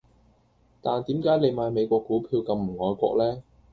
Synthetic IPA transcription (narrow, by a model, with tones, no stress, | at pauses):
t̪aː˨nt̪iː˨˥mkaː˨˥jle˨˧jmaː˨˧jme˨˧jkʷɔː˧kːuː˨˥pʰiː˧wkɐ˧mm̩˨˩ŋɔː˨jkʷɔ̰ː˧k̚lɛː˥